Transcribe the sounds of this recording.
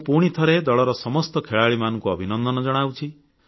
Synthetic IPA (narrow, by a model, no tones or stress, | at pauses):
puɽ̃it̪ʰɔɾed̪ɔɭɔɾɔsɔmɔst̪ɔkʰeɭaɭimanɔŋkuɔbʱinɔnd̪ʱɔnɔd͡ʒɔɽ̃awt͡ʃʰi